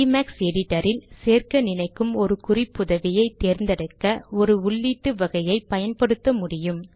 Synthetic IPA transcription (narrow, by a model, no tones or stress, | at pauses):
imaːksɛɽɪʈːɐɾɪlseːrkɐnɪnɐɪkːɯmɔɾɯkʊrɪpːʊðɐʋɪjɐɪt̪ːeːɾnd̪ɐɽɐkːɐɔɾɯʊɭːiːʈːɯʋɐɣɐjɐɪpːɐjɐnpɐɽɯt̪ːɐmʊɽɪjɯm